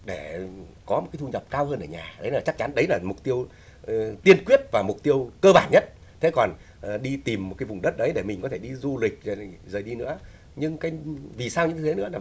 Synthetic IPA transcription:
ɗe˧˩kɔ˨˦mo˨˩t̚aː˨˦jt̪u˧ɲə˨˩p̚kaː˧whəː˧nʔəː˧˩ɲa̰ː˨˩ɗə˨˦jlaː˨˩t͡ɕa˦˥k̚t͡ɕa˨˦nɗə˨˦jlaː˨˩mʊ˨˩k͡p̚t̪i˧əw | t̪i˧ənkwi˦˥ət̚vaː˨˩mʊ˨˩k͡p̚t̪i˧əwkəː˧ɓaː˧˩nɲə˦˥t̚ | t̪ʰe˨˦kɔ˨˩n˨˩ | ɗi˧t̪i˨˩mːo˨˩kaː˨˦jvʊ˨˩ŋ͡mɗə˦˥t̚ɗə˨˦jɗe˧˩mï˨˩ŋ̟kɔ˨˦t̪ʰe˧˩ɗi˧zu˧lï˨˩k̟̚zə˨˩zəː˨˩ɗi˧nɨ̰˧˥ə | ɲɨ˧ŋkaː˨˦jvi˨˩saː˧wɲɨ̰˧˥ŋʰ˧˨˦nɨ̰˧˥ə˨

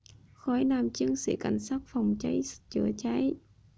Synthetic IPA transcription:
xɔ˧˩˦jnaː˨˩mt͡ɕɨ˧˦ənsḭ˧˩ka˧˩jŋ̟saː˦˥t̚fɔ˨˩wŋ͡mt͡ɕa˧˦js̚t͡ɕɨ̰˧˩ət͡ɕa˨˧˦j

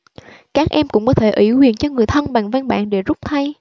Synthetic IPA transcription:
kaː˦˥k̚ʔɛ˧mkʊ̰˧˥ŋ͡mkɔ˨˦t̪ʰe˧˩ʔi˧˩hwḭ˧˨ənt͡ɕɔ˧ŋɨ˨˩əjt̪ʰə˧nɓa˨˩ŋva˧nɓa̰ː˧˨nɗe˧˩zʊ˦˥k͡p̚t̪ʰa˧j

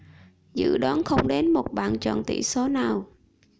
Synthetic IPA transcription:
zɨ̰˧˥ɗɔ˨˦nxə˧wŋ͡mɗe˨˦nmo˨˩t̚ɓa̰ː˧˨nt͡ɕɔ̰˧˨nt̪ḭ˧˩so˨˦naː˨˩w

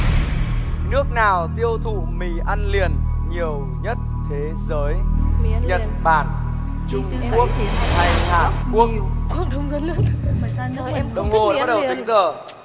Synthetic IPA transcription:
nɨ˦˥ək̚naː˨˩wt̪i˧əwt̪ʰṵ˧˨mḭ˧˩ʔa˧nlḭ˧˨ən | ɲi˨˩əw | ɲə˦˥t̚t̪ʰe˨˦zəː˨˦jɲə̰˧˨˩nɓa̰ː˧˩n | t͡ɕʊ˧ŋ͡m | ku˦˥ək̚t̪ʰa˨˩jh̪a̰ː˨˩nku˦˥ək̚ə˧ŋ͡mə˨˦nlɨ˧˨ən˧˨˧ɗə˨wŋ͡mho˨˩˦ɓa˦˥t̚ɗə˨˩wtt̪ï˨˦ŋzəː˨˩

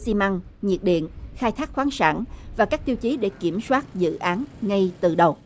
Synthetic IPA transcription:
si˧ma˧ŋɲḭ˨˩ət̚ɗḭ˧˨ənxaː˧jt̪ʰaː˦˥k̚xwaː˨˦nsa̰ː˧˩nvaː˨˩kaː˦˥k̚t̪i˧əwt͡ɕi˨˦ɗe˧˩ki˧˩əmswaː˦˥t̚zɨ̰˧˨ʔaː˨˦nŋa˧jt̪ɨ̰˧˨ɗə˨˩w

